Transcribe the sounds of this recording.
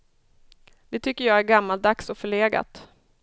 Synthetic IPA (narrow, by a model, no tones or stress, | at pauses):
d̪̥ɛt̪ʰʏkːəjɑːæɾɡamːalt̪̚d̪aksɔfœɭeːɡa̰t̪